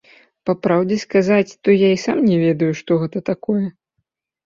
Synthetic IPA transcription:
pɐpɾawd͡zʲɛskazat͡sʲt̪ɔjaisamnʲɛvʲɛd̪ɐjuʂt̪ɔɣɛt̪ɐt̪akɔjɛ

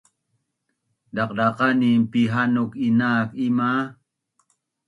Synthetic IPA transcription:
dɑqɾɑqɑnimpiɦanʊkinaːkima

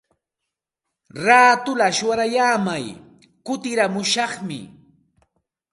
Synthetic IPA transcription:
ɾaːt̪ʊlaʃʊwaɾajaːmaj | kʊt̪ɪɾamʊʃɑχmɪ̰

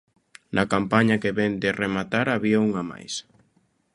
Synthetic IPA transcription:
nʔɐkampaɲɐkeβɛnd̪ɪremat̪aɾaβiauŋama̰js

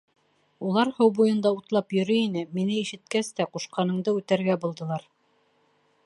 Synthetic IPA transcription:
ulˠɑɾhɤwbujɤ̆nd̪ɑut̪lˠɑpjɵ̆ɾɵinɘminɘiʃɘ̆t̪̚kæst̪æquʃqɑnɤ̆ɴd̪ɤʉt̪æɾɡæbulˠd̪ɤ̆lˠɑɾ

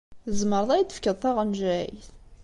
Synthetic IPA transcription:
əzməɾðˤɑjd̪ə̥fkəðˤt̪ˤːɑʁənʒæjθ

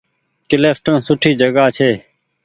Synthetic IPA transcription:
kɪleːfʈəɳsʊʈʰiːd͡ʒəɡaːt͡ʃʰeː

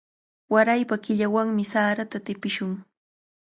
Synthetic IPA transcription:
waɾajpakɪʎawaŋmɪsaːɾat̪at̪ɪpɪʃʊŋ

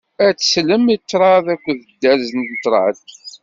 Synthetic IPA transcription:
æt͡sːsləmit͡sːɾˤɑðækʷːðəd̪ːæɾzənd̪t̪ɾˤɑd̪

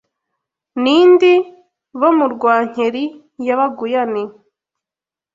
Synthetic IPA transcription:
niːndi | βomuɾɡwaːɲ̥eɾi | jaβaɡujani

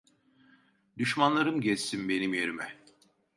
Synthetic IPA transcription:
d̪yʃmanlˠaɾɯmɟɛst̪inbe̞nimjeɾimɛ

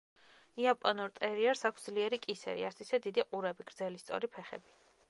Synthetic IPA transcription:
iapʼɔnuɾt̪ʼɛɾiɛɾsakʷʰsd̪zliɛɾikʼisɛ̰ɾḭaɾsʰisɛd̪id̪iqʼuɾɛbiɡɾd̪zɛlist̪sʼɔ̰ɾipʰɛχɛ̰bi

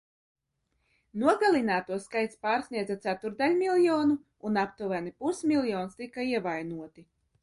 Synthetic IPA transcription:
nuɔɡalˠinaːt̪uɔskajt̪spaːɾsnʲiɛd̪zat̪sæt̪uɾd̪alʲmilˠjɔːnuː | napt̪uvænipusmʲilˠjɔːnst̪ikːaiɛvajnuɔt̪i

